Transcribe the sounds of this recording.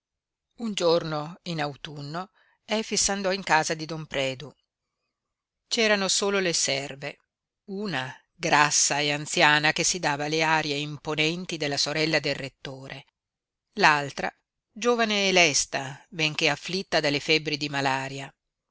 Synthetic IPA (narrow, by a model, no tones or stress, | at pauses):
und͡ʒornoinawt̪unːo | ɛfisand̪ɔiŋkaːzad̪id̪ompɾɛːd̪u | t͡ʃɛːɾanosoːlolesɛrve | uːna | ɡɾasːaeant̪sjaːnakesːid̪aːvaleaːɾjeimponɛnt̪id̪elːasoɾɛlːad̪elrːet̪ːoːɾʔe | lalt̪ɾa̰ | d͡ʒoːvaneːlɛst̪abeŋk̟eafːlit̪ːad̪alːefɛbːɾid̪imalaːɾja